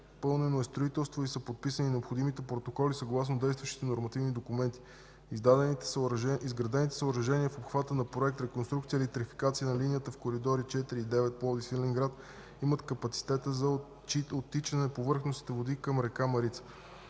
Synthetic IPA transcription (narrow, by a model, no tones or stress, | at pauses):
pɤlˠnɛnoɛst̪ɾoit̪ɛlˠst̪voisəpot̪̚pisəninɛopxod̪imit̪ɛpɾot̪okɔlisɐɡlˠasnod̪ɛjst̪vəʃt̪i̥t̪ɛnoɾmɐt̪ivnid̪okumɛnt̪i̥ | izd̪a | izɡɾɐd̪ɛnit̪ɛ̥səʊɾɐʒɛniəfopxvat̪ənɐpɾoɛk̚t̪ɾɛkonst̪ɾukt̪sijəilit̪ɾifi̥kat̪siənɐlinijət̪əfkoɾid̪ɔɾit͡ʃɛt̪iɾiːd̪ɛvɛt̪̚pˠɔd̪isilɛŋɡɾat̪ | imət̪kəpɐt̪si̥t̪ɛt̪əzɐ | iot̪ːit͡ʃənɛpovɤɾxnost̪i̥t̪ɛvod̪ikəmɾɛkamɐɾit̪sə̥